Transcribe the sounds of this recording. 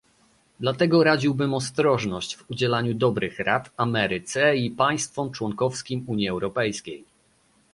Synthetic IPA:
d̪lat̪ɛɡɔɾad͡ʑiwbɘmɔst̪ɾɔʐnɔɕt͡ɕvud͡ʑɛlaɲud̪ɔbɾɘxɾat̪amɛɾɘt̪sɛipaj̃st̪fɔmt͡ʂwɔŋkɔfskʲimuɲjiɛwɾɔpɛjskʲej

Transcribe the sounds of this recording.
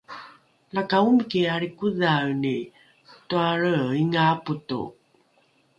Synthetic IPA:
lakaumkiaɾikuðawni | xtuaɾəiŋaputṵ

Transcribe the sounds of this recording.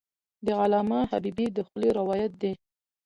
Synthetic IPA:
d̪əɣalɑmɑhabibid̪əxʊleɾɪwɑjat̪̚d̪e

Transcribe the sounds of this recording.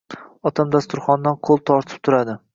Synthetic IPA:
ɒt̪ʰamd̪ast̪ʊɾχɒnd̪anqʰolˠt̪ʰɒɾt̪ʰɪ̥p̚t̪ʰʊɾad̪ɪ

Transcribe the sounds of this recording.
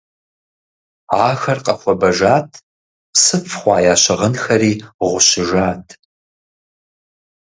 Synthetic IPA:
aːxɐrqʼɐχʷɔbɐʒaːtʰ | psɨfʰχʷɑːjaːɕɐʁənxɐɾiːʁʷʊɕɪʒaːtʰ

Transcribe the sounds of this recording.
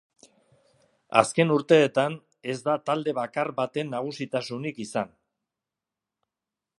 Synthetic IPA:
a̰ske̞nuɾt̪e̞ːt̪an | e̞zd̪at̪ald̪e̞βakaɾβat̪e̞nːaɣ̞usit̪asunikisan

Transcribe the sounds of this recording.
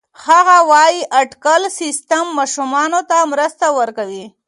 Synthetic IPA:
xhaɣawɑjiʔaʈkalsɪst̪amːɑʃumɑnot̪amɾəst̪awəɾkawi

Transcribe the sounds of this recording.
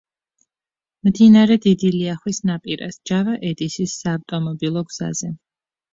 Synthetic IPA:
md̪inaɾɛd̪id̪iliaχwisnapʼiɾa̰sd͡ʒavaʔɛd̪isisːaːvt̪ʼɔmɔbilˠɔɡz̥a̰z̥ɛ

